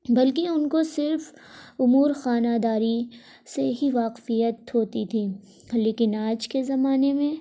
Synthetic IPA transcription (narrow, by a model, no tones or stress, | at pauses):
bɐlkeʊnkosɪɾf | ʊmuːɾxaːnaːd̪aːɾi | seɦiʋaːqfijət̪ɦoːt̪it̪ʰiː | leːkɪnaːd͡ʒkezɐmaːnemẽ